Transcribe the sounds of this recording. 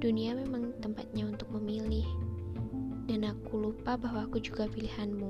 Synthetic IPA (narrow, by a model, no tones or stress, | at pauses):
d̥uniamemaŋt̪əmpat̪̚ɲaunt̪ʊk̚məmilɪh | danakulupabaɦwaːkud͡ʒuɡapilihanmu